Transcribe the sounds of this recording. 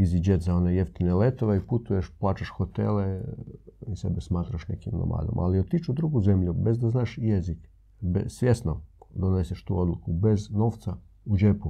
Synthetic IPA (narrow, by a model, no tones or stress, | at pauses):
izid͡ʒet̪zaonejeft̪inelet̪oʋeiput̪ujeʃplˠaːt͡ʃaʃxot̪ḛle | isḛbesmaːt̪ɾaʃnḛkimno̰mʔa̰ːd̪o̰mʔa̰liot̪it͡ʃud̪ɾuɡuze̞mʎube̞zd̪aznaːʃjezik | besʋjesnod̪oneseʃt̪ṵo̞d̪lˠukube̞zno̞ːʋt̪saud͡ʒepu